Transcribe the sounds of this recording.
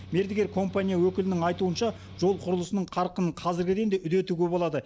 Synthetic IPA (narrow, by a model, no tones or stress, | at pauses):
me̞ɾd̪ɪɡʲeɾkʰo̞mpanijawɵkʲɪlɪnɪŋɑjt̪uənʃɑ | ʒ̥o̞lˠqʰʊɾəlˠəsənəɴqʰɑɾqənəɴqʰɑzɪɾɡʲɪd̪end̪eʔʏd̪e̞t̪uɡʲebolˠɑd̪ə